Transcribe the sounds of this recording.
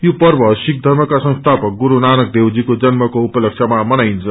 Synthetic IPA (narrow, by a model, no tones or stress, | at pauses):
jopʌrbʱʌsik̚d̪ʱʌrmʌkasʌ̃ŋ̃st̪ʰapʌk̚ɡuɾunanʌk̚d̪ewd͡zikod͡zʌnmʌkoupʌlʌk̚ʂʰamamʌnajnt͡sʰʌ